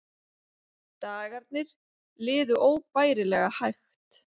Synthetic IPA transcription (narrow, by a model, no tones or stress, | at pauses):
t̪aːɣaɾt̪̚nɪɾ̥ | lɪːðʏʔoːwpaːjɾɪlɛɣahajxt̪